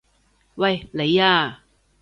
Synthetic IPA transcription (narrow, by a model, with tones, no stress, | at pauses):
wɐ˨jle˨˧jaː˧